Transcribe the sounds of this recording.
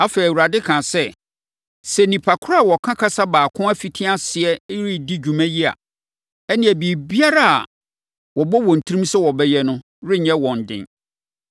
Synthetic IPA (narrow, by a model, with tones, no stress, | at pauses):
a˦fɛ˨u˨ɾa˨dɪ˦kʰã˨sɛ˦ | sɛ˨nĩ˨pʰa˨kʰʊ˦ɾa˦˨wɔ˨kʰã˦kʰa˦sa˦baː˨kʰʊ̃˦æ˦fi˨tʰĩ˦a˦sɪ˨ɛ˦ɾi˦di˦d͡ʑᶣu˨mæ̃˦ji˦a̰˨ | ɛ˦nɪ̃˨ɛ˨bi˨bi˦a˦ɾa˦a̰˨ | wɔ˨bɔ˦wɔ̃˨n̩˨tʰɾĩ˦msɛ˦wɔ˨bɛ˦jɛ˦nʊ̃˦ | ɾɪ˦ɲɛ̃˦wɔ̃˨n̩˨dɪ̰̃˦n